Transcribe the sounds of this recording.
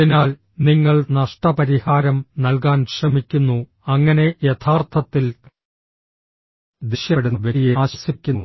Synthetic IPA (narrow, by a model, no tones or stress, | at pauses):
inaːl | niŋːɐɭnɐʂʈɐpɐɾihaːɾɐmnɐlk̬aːnɕrɐmikʲːunːu | ɐŋːɐne̞jet̪ʰaːrt̪ʰɐt̪ːil | d̪iɕjɐɽuʋeijeaːɕɐ̥sikʲːu